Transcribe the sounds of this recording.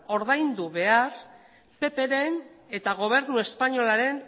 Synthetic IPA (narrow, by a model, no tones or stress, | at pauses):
o̞ɾðajnd̪uβe̞ar | pe̞pe̞ɾe̞n | e̞t̪aɣ̞o̞β̞e̞ɾnue̞spaɲo̞laɾe̞n